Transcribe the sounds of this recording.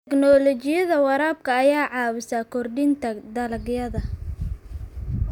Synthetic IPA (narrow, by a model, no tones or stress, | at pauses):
t̪tʰɛɡnɔːlɔt͡ʃɪjɐðɐwɑɾaːb̚kʰɐːjaːʕɑːwɪsakʰɔrɖɪnt̪ʰɐd̪ɐlɐɡjɐðɐ